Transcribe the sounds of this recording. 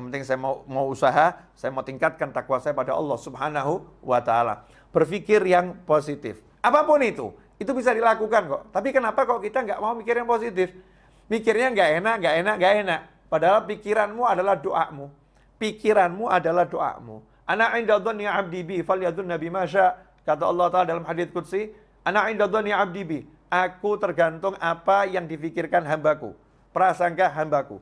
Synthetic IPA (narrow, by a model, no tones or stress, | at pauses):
ŋpənt̪ɪŋsajamaumauusaɦasajamaut̪iŋkat̪̚kant̪akwasajapadaɑ̰lːɔhsubɦanaɦuwat̪aːla̰ | b̥ərfikɪrjaŋposit̪ɪ̰f | ʔapapʊnit̪ṵ | it̪ubis̬adilakukankɔ̰ʔt̪apikənapakaloʔkit̪aŋɡaʔmaumikɪrjaŋposit̪ɪf | mikɪrɲaŋɡaʔenaʔŋɡaʔenaʔŋɡaʔenaʔ | padaɦalapikiɾanmuadalahdoʔa̰ʔmu | pikiɾanmuʔa̰dalahdoʔa̰ʔmṵ | ʔanaʕɪndaðɔnːiʕab̚dibifaljaðʊnːabimaʃaʔ | kat̪̬aɑ̰lːɑut̪aladalamhadɪθ̚kut̪si | ʔanaʕɪndaðɔniʕab̚dibi | ʔakut̪ərɡant̪ʊŋapajaŋdifikɪrkanɦambakṵ | pəɾasaŋkaɦambakṵ